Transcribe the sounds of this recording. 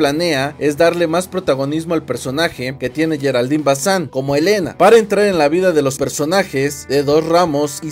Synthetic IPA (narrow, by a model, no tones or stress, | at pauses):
lane̞ae̞zd̪aɾle̞maspɾo̞t̪aɣo̞nizmo̞alpe̞ɾso̞naxe̞ke̞t̪je̞ne̞ʝe̞ɾald̪imbasaŋko̞mo̞e̞le̞na̰paɾaent̪ɾaɾenlaβiðaðe̞lo̞spe̞ɾso̞naxe̞zðe̞ðo̞sramo̞si